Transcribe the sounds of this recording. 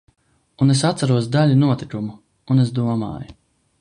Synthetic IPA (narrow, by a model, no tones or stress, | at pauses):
unesat̪saɾuɔsd̪alʲinuɔt̪ikumu | unesd̪uɔma̰ːju